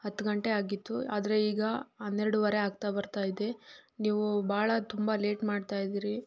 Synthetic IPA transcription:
hɐt̪ːɡɐɳʈe̞aːɡit̪ːua̰ːd̪ɐɾe̞iːɡɐɦɐnːeɾɐɽuʋɐɾe̞aːɡ̚t̪abɐɾt̪aːjid̪eniːʋubaːɭɐt̪umbɐle̞ːʈmaːɖt̪aːjid̪iːɾi

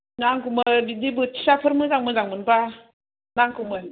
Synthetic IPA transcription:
naŋkumɯbidibɯtʰi̥sapʰɯɾmɯzaŋmɯzaŋmɯnba | naŋkʰumɯ

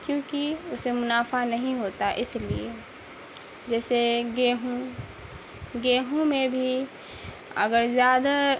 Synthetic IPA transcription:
kjõːkiʊsemʊnaːfanɐɦĩɦoːt̪aʔɪslḭe | d͡ʒɛːseɡeːɦõ | ɡeːɦõmẽbʱi | ɐ̰ɡəɾzjaːd̪a

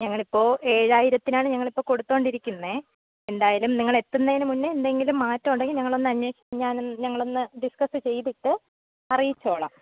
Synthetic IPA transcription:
ɲɐŋːɐɭipːo̞ːʔe̞ːɻaːjiɾɐt̪ːinaːɳɨɲɐŋːɐɭipːo̞ːko̞ɽut̪ːo̞ːɳɖiɾikʲːunːe | e̞nd̪aːjaːlumniŋːɐɭe̞t̪ːunːɐinɨmunːɨend̪e̞ŋɡilumːaːtːɐuɳɖeŋɡilɲɐŋːɐɭo̞nːɨɐɲːwo̞ːɕi̥ːmɲaːnɲɐŋːɐɭo̞nːɨɖiskɐsɨt͡ɕe̞jt̪iʈːɨ | ɐrijit͡ɕːo̞ːɭɐ̰m

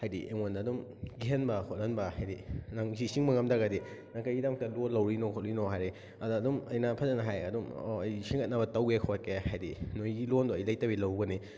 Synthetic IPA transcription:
hajdḭʔeŋondaːdumɡiɦenbɐkʰot̚lɐnbɐhajdinaŋzisiŋbɐŋɐmdɐɡɐdinaŋkajɡidamɐk̚talolɐwɾinokʰot̚linoɦajɾi | ɐdːdumɐjnapʰazɐnɐɦajɐdumo̰ɐjsiŋɐt̚nabɐtɐwɡekʰokehajdinojɡilondoɐjlɐjtɐbilɐwɡɐni

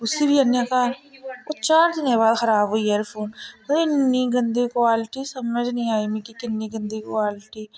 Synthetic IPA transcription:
ʊsibʱiɐnjakaːɾot͡ʃaːɾd̪ɪnjebaːd̪xɐɾaːbɦoieɾpʰoːnpɐɾɪnːiɡɐ̃nd̪ʱikwaːlɪʈisɐməd͡ʒnɐɦĩaːmĩkikɪnːiɡɐ̃nd̪ikwaːlɪʈiː

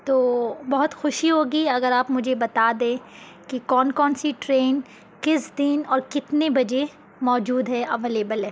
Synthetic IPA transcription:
t̪oːbɐɦʊt̪xʊʃiɦoːɡiɐɡəɾaːpmʊd͡ʒʱebɐt̪ad̪ẽː | kikɔːnkɔːnsiʈɾeːn | kɪsd̪ɪnɔːɾkɪt̪nebɐd͡ʒe | mɔːd͡ʒuːd̪ɦɛʔɐʋeːleːbəlɦɛː

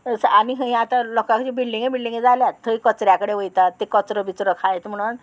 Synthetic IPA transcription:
saniɦəĩat̪alɔkãkt͡ɕibilɖiŋɡebilɖiŋɡed͡zaljat̪ʰːəikət͡sɾjakəɽeʋəjt̪at̪ːekət͡sɾəbit͡sɾəkʰajt̪m̤əɽ̃uːn

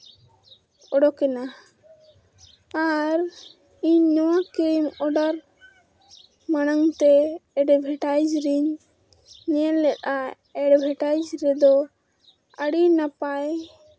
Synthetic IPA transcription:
ɔɖɔkɛna | ɾ | iɲːɔwakejmɔɖaɾ | manaŋt̪ɛːɖɛbʱɛʈajd͡ʒɾiɲː | ɛɛlːɛt̪̚a | ɛɖbʱɛʈajd͡ʒɾɛd̪ɔ | əɽinapaj

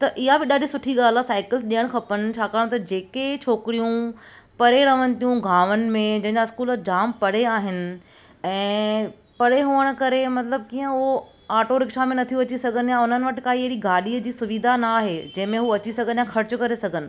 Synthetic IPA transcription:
t̪ɐʔɪɦabɪɗaːɖʱisʊʈʰiɠaːl̤asaːɪkɪlsɗiəɽ̃kʰɐpənɪ̆t͡ɕʰaːkaːɽ̃t̪ɐd͡ʑeːket͡ɕʰoːkɪɾijũ | pɐɾeɾɐʋənd̪ijũɡʱaːʋənɪ̆mẽd͡ʑɐ̃ɦɪ̃ɲd͡ʑaɪskuːld͡ʑaːmpɐɽ̤eaːɦɪnɪ̆ | ɛ̃ː | pɐɽeɦuːəɽ̃̆kɐɾemɐt̪ləb̚kiːə̃o | aːʈoɾɪkʃamẽnɐt̪ʰijuɐt͡ɕisɐɡʱənɪjaʊnənɪ̆ʋɐʈɪ̆kaːiɐɦɪɽiɡʱaːɗiːəd͡ʑiːsʊʋiːd̪ʱanaːɦed͡ʑɐ̃ɦɪ̃mẽɦuɐt͡ɕisɐɡʱənjaxɐɾɪt͡ɕʊkɐɾesɐɡʱənɪ̆

